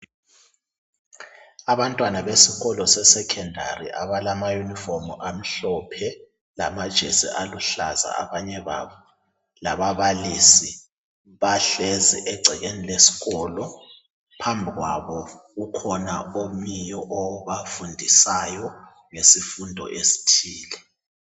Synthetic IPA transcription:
aβantʼwanaβesiɣɔlɔsɛsɛkʰɛndʱa̰rḭʔaβalamajunifɔmuʔam̩ɬɔpʰɛ | la̰mad̥ʒ̥ʱḛsḭʔaluɬaza̰a̰βaɲɛβa̰βɔ | laβaβalisi | βaɬɛzḭʔɛɡ͡ǀʱɛɣenilesi̥ɣɔːlɔ | pʰambʱiɣwa̰βɔɣukʰɔna̰omijɔʔɔβafundʱisajɔ | ŋesifundʱɔ̰ʔesi̥tʰiːlɛ

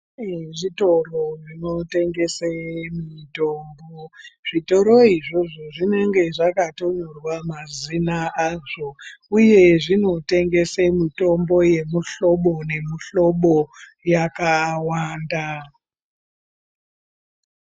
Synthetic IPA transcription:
ʐito̞ro̞ʐino̞te̞ŋɡe̞semito̞ːmboʐ̥ito̞ɾo̞iʐoʐoʐine̞ŋɡe̞ʐakato̞ɲorwamazinaaʐo̞uje̞ʐino̞te̞ŋɡe̞semito̞mbo̞je̞muɬo̞ɓo̞ne̞muɬo̞ɓo̞jakawaːnda

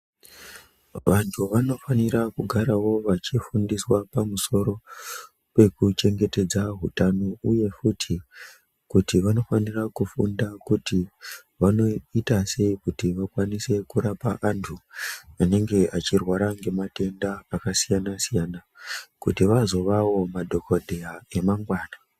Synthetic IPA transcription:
ʋantʰuʋano̞faniɾakuɡʱaɾawo̞ʋat͡ʃifundiswapamuso̞ɾo̞ | pe̞kut͡ʃe̞ŋɡe̞te̞d͡zaɦutano̞uje̞futʰi | kutiʋano̞fanirakufundakuti | ʋano̞itase̞ikutiʋakwanise̞kuɾapaʔantʰuane̞ŋɡe̞ʔat͡ʃirwaɾaŋɡe̞mate̞ndaːkasijanasijanakutiʋazo̞ʋawo̞madʱo̞kodʱeae̞maŋɡwaːna

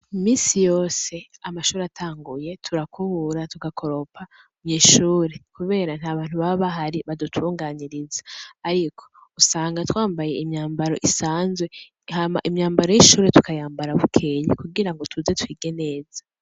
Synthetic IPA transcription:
imiːsijo̞ːse̞amaʃuːɾeatʰaːŋɡuje̞tʰuɾakuβuɾatuɡakʰo̞ɾo̞pʰa | umɲeːʃuːɾe̞kuβe̞ːɾan̥haːβaːn̥huβaβaɦaɾiβadutʰuːŋɡaːɲiɾizḁːɾikʰo̞̥ | usaːŋɡatwaːmbaje̞imɲaːmbaɾo̞̰ʔisaːnzwe̞ | hama̰ʔimɲaːmbaɾo̞jiʃuːɾetu̥kajaːmbaɾaβukʰeːjḭkuɡiɾaŋɡo̞tʰuze̞twiːɡe̞ne̞ːza

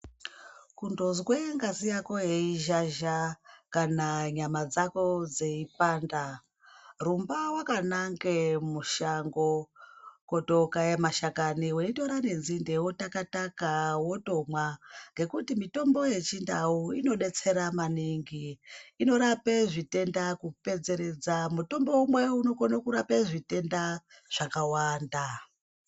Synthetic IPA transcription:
kundozweŋɡazijako̞jeiʒaʒakanaɲamad͡zako̞d͡ze̞ipaːnda | rumbawakanaŋɡemuʃaŋɡo | ko̞tokajemaʃakaniwenito̞ɾane̞nzindewutakatakawo̞to̞mwaŋɡe̞kutimito̞mbo̞je̞t͡ʃindauino̞ɗe̞t͡se̞ɾamaniŋɡiːno̞ɾapeʐite̞ndakupe̞d͡ze̞ɾe̞d͡zamuto̞mbo̞umwe̞uno̞konokuɾapeʐite̞nda | ʐ̥akawaːnda

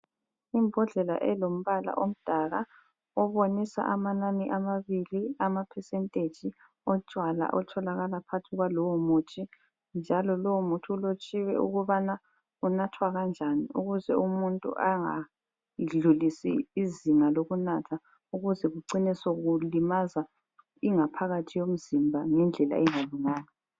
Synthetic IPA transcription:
imbʱɔɮɛla̰ʔɛlom̩βala̰ʔom̩d̥ʱaɣa | ɔβonisa̰ʔamananiʔamaβiliamapʰɛsɛntʼe̥d͡ʒ̥ʱi | ɔt͡ʃʼwala̰ʔɔtʰɔlaɣalapʰatʰuɣwalɔwomut͡ʃʰʼi | nd͡ʒʱalɔlɔwomutʰiulot͡ʃʼiwɛ̰ṵɣuβana | unatʰwaɣand͡ʒʱaniṵɣuzɛumuntʼṵʔaŋa̰ | ɮulisiːziŋaloɣunatʰa | uɣuzɛɣuǃinisoɣulimaza | iŋapʰaɣatʰijom̩zimbʱaŋɛnd͡ɮʱɛla̰ɛŋaluŋaːna

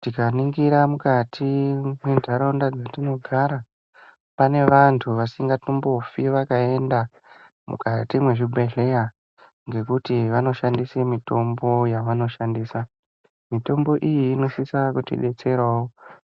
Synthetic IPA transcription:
tikaniŋɡiɾamukatʰimwendʱaɾondad͡zatino̞ɡʱaɾa | pane̞ʋantʰuʋasiŋɡatumbo̞fiʋakae̞nda | mṵkatimwe̞ʐibʱeɮe̞ja | ŋɡe̞kutiʋano̞ʃandise̞mito̞mbo̞jaʋano̞ʃandiːsa | mito̞mbo̞ʔijiːno̞sisakutḭɗe̞t͡se̞rwawo

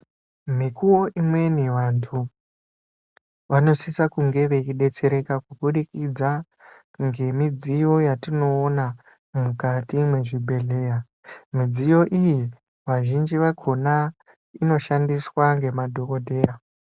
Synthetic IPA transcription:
mikuoʔimwe̞niʋantʰu | ʋano̞sisakuŋɡe̞ʋe̞iɗe̞t͡se̞ɾe̞kakuɓuɗikid͡za | ŋɡe̞mid͡zijo̞jatino̞ːna | mukatimwe̞ʐibʱe̞ɮe̞ːra | mid͡zijo̞ʔiji | ʋaʒind͡ʒiʋaɡʰʱo̞na | ino̞ʃandiswaŋɡe̞madʱo̞kodʱe̞ːra

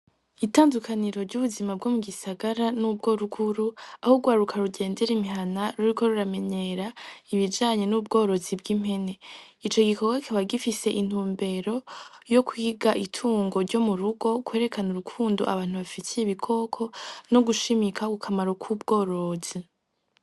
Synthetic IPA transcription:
itaːndukʰaniɾo̞ɾɟuːβuzimab̚ɡo̞muɡisaɡaɾanub̚ɡo̞ɾuɡuɾuahoɡwaːɾukʰaɾuɟe̞ːnde̞ɾimiɦanaɾuɾiko̞ɾuɾame̞ɲe̞ɾaiβid͡ʒaːɲe̞nub̚ɡo̞ːɾo̞zib̚ɡim̥he̞ne̞ | it͡ʃo̞ɡikʰoɡwakʰoβaɡifise̞ʔin̥uːmbe̞ɾo̞jo̞kʰwiːɡaʔitʰuːŋɡo̞ɾɟo̞muɾuɡo̞kwe̞ːɾe̞kʰanuɾukʰuːndoʔa̰βaːn̥huβafitʰijeβikʰo̞kʰo̞no̞ɡuʃimikakukʰamaɾokʰub̚ɡo̞ːɾo̞zi

